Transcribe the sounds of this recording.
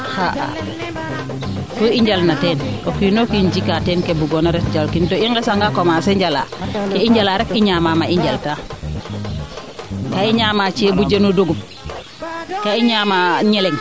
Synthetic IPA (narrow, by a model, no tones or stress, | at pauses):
haʔa̰ | toiɲɟalnatɛːnkokinokind͡ʒikatɛːnkebuɡɔnaɾɛt̚d͡ʒalkintoiŋɡesaŋɡakomasɛɲd͡ʒala̰keiɲɟalaɾɛkiɲamamaʔiɲd͡ʒalta | kaiɲaːmat͡ʃebud͡ʒenudoɡup | kaiɲamaɲeleŋ